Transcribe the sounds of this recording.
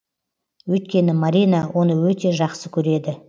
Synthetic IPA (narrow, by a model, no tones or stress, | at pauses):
wɵjt̪kʲe̞nɪmaɾijnawʔo̞nəwɵt̪e̞ʒɑqsəkʲʰɵɾe̞d̪ɪ